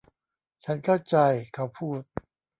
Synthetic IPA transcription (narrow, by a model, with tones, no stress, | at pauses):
t͡ɕʰa˦˥nkʰa˥˩wt͡ɕa˧jkʰa˧˥˩wpʰuː˥˩t̪̚